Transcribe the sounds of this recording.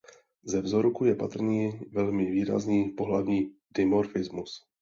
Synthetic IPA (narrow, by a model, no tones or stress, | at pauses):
zɛvzoɾkujɛpat̪r̩ɲiːvɛlmɪviːɾa̰zniːpo̞ɦlavɲiːdɛmoɾfɪzmus